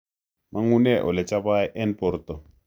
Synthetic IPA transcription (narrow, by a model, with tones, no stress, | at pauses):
ma˦ŋu˦nɛ˦ʔɔ̰˨lɛ˨t͡ʃʼa˦ba˦ɛ˦ʔɛ˦npɔ˨ɾt̪ɔ˨